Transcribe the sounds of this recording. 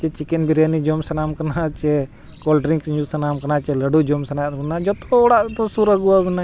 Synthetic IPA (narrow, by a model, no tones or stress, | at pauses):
t͡ʃɛt͡ʃikɛnbiɾanid͡ʒɔmsɐnamkanat͡ʃɛ | kɔlʈɾiŋkɲusɐnamkɐnat͡ʃɛləɖud͡ʒɔmsɐnat̪ɛnad͡ʒɔt̪ɔɔɽaʔt̪ɔsuɾəɡuabɛna